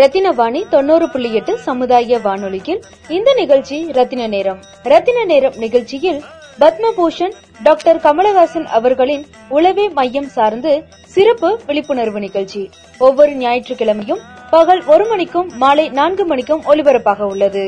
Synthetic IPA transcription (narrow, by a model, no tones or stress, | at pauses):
ɾɐt̪ːɪnɐʋaːɳit̪ɔnːoːɾɯpɪɭːɪjɛʈːɯsɐmɯðaːjɐʋaːnɯɭɪɣɪl | ɪnd̪ɐnɪɣɐɻt͡ʃːiɾɐt̪ːɪnɐneːɾɐm | ɾɐt̪ːɪnɐneːɾɐmnɪɣɐɭt͡ʃːɪjɪlbɐt̪mɐpuːʂɐn | ɖaːkʈɐɾkɐmɐɭɐɣaːsɐnɐ̰ʋɐɾɣɐɭɪn | ʊlɐʋeːmɐjːɐmsaːɾnd̪ɯ | sɪɾɐpːɯʋɛɭɪpːɯɳɐɾʋɯnɪɣɐɭt͡ʃi | ɔʋːɔɾɯnɪjaːjɪʈrɯkːɪɭɐmɐjɯmpɐɣɐɭɔɾɯmɐnɪkːɯmːaːlɐɪnaːnɡɯmɐɳɪkːɯmʔɔɭɪʋɐɾɐpːaːɣɐʊɭːɐðɯ